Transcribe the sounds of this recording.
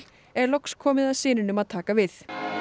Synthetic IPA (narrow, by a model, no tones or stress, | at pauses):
ɛɾlɔkskʰɔːmɪðaðsɪːnɪnʏmaðt̪ʰaːkavɪθ